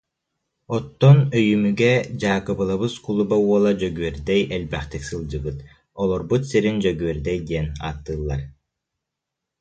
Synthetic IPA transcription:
ɔt̪ːɔnœjymyɡɛd͡ʑaːkɯbɯlˠaβɯskulˠubauɔlˠad͡ʑœɡyœɾd̪ɛjɛlbɛχt̪iksɯlˠd͡ʑɯɡɯt̪ | ɔlˠɔɾbut̪siɾind͡ʑœɡyɛɾd̪ɛjd̪iɛna̰ːt̪ːɯːlˠːaɾ

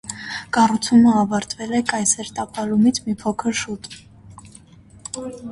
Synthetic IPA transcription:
kɑrut͡sʰuməɑvɑɾt̪vɛlɛkɑjsɛɾt̪ɑpʰɑlumit͡sʰmipʰɔkʰəɾʃut̪

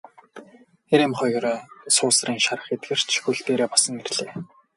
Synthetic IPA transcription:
eɾemχɔj̆ɾsʊːsriːŋʃaɾə̆χet̪̚ɡĕr̥t͡ɕʰxuɮt̪eːɾeːpɔsə̆ŋerɮeː

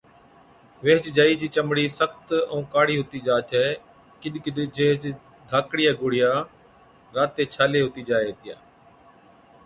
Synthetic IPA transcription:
ʋeːt͡ʃd͡ʒaːiːd͡ʒiːt͡ʃəmɽiːsəxt̪ə̰ũːkaːɽiːɦʊt̪iːd͡ʒaːt͡ʃɛː | kɪɗkɪɗd͡ʒeːɦt͡ʃ | d̪ʱaːkɽɪjaːɡʊːɽɪjaː | ɾaːt̪ːeːt͡ʃʰaːleːɦʊt̪iːd͡ʒaːeːt̪ɪja̰ː

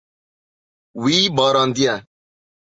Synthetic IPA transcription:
wiːbɔɾɔ̃nd̪ia

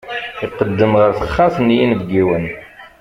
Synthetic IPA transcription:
iq̪ːəd̪ːəmʁəɾθəχːæsənjinbɡiwən

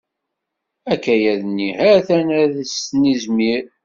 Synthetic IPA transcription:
ækːæjæðnːihæθænæðəsnizmiɾ

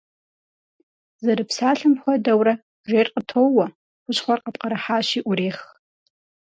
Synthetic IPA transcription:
zɐɾɨpsaːɬɨmxʷɐdɐwɾɐ | ʒʷeːrqʼətʰowɐ | ʊɕχʷɐrqʼəp̚ʼqɐɾaħaːʃiʔʷʊɾeːχ

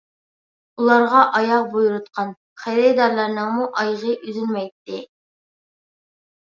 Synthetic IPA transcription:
ulˠɑɾʁɑʔɑjɑq̚bujuɾut̪̚qʰɑn | χæjɾɛjd̪ɑɾlˠɑɾnɨŋmuʔɑjʁəʔyzylmɛjt̪ːɪ

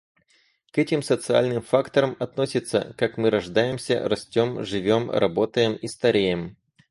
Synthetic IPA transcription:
kɛtʲɪmsət̪sɨa̰lʲnɨmfakt̪əɾəmɐt̪no̞sʲɪt̪sːə̰kakmɨɾɐʐd̪ajɪmsʲə̰rɐsʲtʲo̞mʐɨvʲomrɐ̰bo̞t̪əjɪmist̪ɐɾʲejɪm

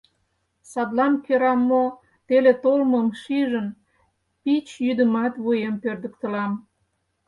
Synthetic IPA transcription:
sɑd̪lɑmkøɾɑmːo | t̪elet̪olməmʃiʒən | pit͡ɕjyd̪əmɑt̪βujempørd̪ə̆kt̪əlɑm

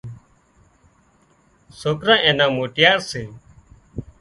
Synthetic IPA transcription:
soːkɾãːʔẽːnãːmoːʈɪjaːɾseː

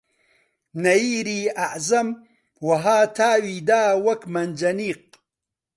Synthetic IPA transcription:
nɐiːɾiːaʕzɐm | wɐɦaːt̪ʰaːwiːd̪aːwɐkmɐnd͡ʒɐniːq̚

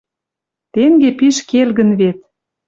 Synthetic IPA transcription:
t̪eŋɡepiʃkelɣə̆nβet̪̚

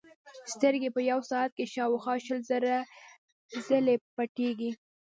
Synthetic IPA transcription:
st̪əɾɡepəjawsɑat̪̚keʃɑwxɑʃəlzəɾa | zəlepaʈeɡi

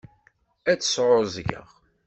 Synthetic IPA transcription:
æt͡sːə̥sʕʊzˤʝə̰ʁ

